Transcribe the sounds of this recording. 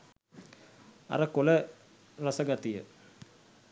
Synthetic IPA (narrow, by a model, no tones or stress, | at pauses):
ɐ̰rɐkːolɐ | rɐsɐɡɐt̪ːijɐ̰